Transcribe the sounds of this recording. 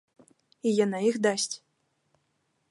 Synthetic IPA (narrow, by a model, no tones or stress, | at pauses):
ijanaixd̪asʲt͡sʲ